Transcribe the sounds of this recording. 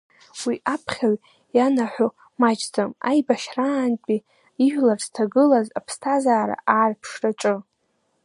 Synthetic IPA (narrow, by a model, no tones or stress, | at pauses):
wiʔapʰχʲaɥ | janaħʷo | mat͡ʃʼd͡zʼamajbaʃraːnt͡pʼi | iʒʷᶣlarztʰaɡɨlazapʰstʰazaːɾa̰ʔaːrpʰʂraʈ͡ʂʼɨ